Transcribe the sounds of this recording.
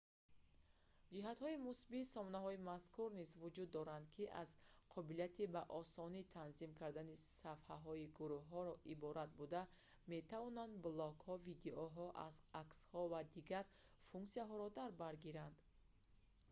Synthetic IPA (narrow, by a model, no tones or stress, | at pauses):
d͡ʒiɦat̪hɔimusbisɔmɔnaɦɔimaskʰuɾnizvud͡ʒud̪ːɔɾand̪kʰiʔa̰zqʰɔbilijat̪ʰibaʔɔsɔnit̪ʰanzimkʰaɾd̪anisafhaɦɔiɡuɾuhːɔɾɔʔibɔɾat̪̚bud̪a | me̞t̪ʰavɔnand̪blɔɡhɔvid̪eʔɔɦɔʔa̰zakshɔvad̪iɡaɾfuŋksijaɦɔɾɔd̪aɾbaɾɡiɾand̪̥